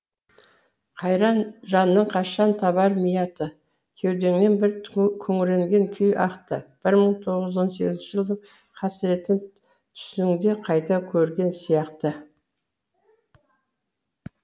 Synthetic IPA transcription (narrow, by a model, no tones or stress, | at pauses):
qʰɑjɾɑnʒɑnːəɴqʰɑʃɑnt̪ʰɑβɑɾmijɑt̪ə | kʲʰe̞wd̪e̞ŋne̞nbɪɾkʲʰɵŋɪɾe̞ŋɡʲe̞ŋkʲʰʏjɑqt̪ə̰b̥ɪɾməɴt̪ʰo̞ʁəzo̞nse̞̰ɡʲɪzɪnt͡ʃɪʒəlˠd̪əɴ | qʰɑsɪɾe̞t̪ɪm | t̪ʰʏ̥sɪŋd̪e̞qʰɑjt̪ɑkʲʰɵɾɡʲe̞nsijɑqt̪ə